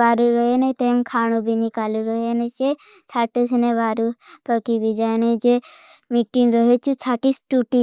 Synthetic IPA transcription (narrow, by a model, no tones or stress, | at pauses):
aːɾuɾəɦenet̪emkʰaːñubʱinikaːluɾəɦenet͡ʃe | t͡ʃʰaːʈusneʋaːɾupəkibid͡ʒaːened͡ʒemiʈinɾəɦet͡ʃʰut͡ʃʰaːʈisʈuʈi